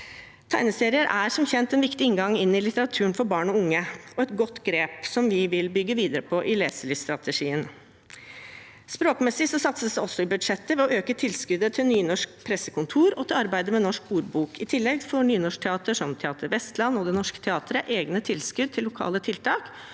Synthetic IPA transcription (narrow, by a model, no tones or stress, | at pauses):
t̪ʰæ̰ɪnəseːɾɪəɾʔæɾʂɔmçɛnt̪ɛnʋɪkt̪ɪɪŋɡɑŋɪnːɪlɪt̪əɾɑt̪ʰʉːənfɔɾbɑːɳɔʊŋːəɔɛt̪ɡɔt̪ːɡɾeːpsɔmʋɪʋɪlbʏɡːəʋiːd̪əɾəpʰɔʔɪleːsəɭɪst̪ɾɑt̪ʰəʂiːən | spɾoːkmɛsɪsɔsɑt̪səsd̪ɛɔsːɔɪbʉd̪ʂɛt̪ːəʋɛɔøːkət̪ʰɪlskʉd̪ət̪ʰɪlnyːnɔʂkpʰɾɛsːəkʰʊnt̪ʰuːɾɔt̪ʰɪlɑɾbæɪd̪əmɛnɔʂkuːɾbuːkʰɪt̪ʰɪlːɛɡfɔɳyːnɔʂkt̪ʰɛɑːt̪əʂɔmt̪ʰɛɑːt̪əɾʋɛst̪lɑnɔd̪ɛnɔʂkə̥t̪ʰɛɑːt̪əɾəʔeːɡnət̪ʰɪlskʉd̪̚t̪ʰɪlːʊkʰɑ̰ːlət̪ʰɪlt̪ʰɑːk